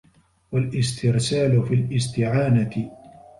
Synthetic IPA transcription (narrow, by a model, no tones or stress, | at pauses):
walʔɪst̪ɪɾsaːlʊfilʔɪst̪ɪʕaːnat̪ɪ